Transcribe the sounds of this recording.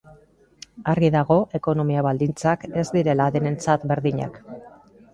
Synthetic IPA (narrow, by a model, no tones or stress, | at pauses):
arɣiðaɣo̞ʔe̞ko̞no̞miaβald̪int͡sake̞zd̪iɾe̞laðene̞nt͡sat̪be̞ɾðiɲa̰k